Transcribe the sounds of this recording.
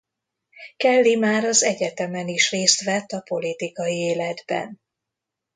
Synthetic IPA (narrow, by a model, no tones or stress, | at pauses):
kɛlːimaːɾɒzɛɟɛt̪ɛmɛniʃreːst̪ʋɛt̪ːɒpo̞lit̪ikɒjieːlɛd̪bɛ̰n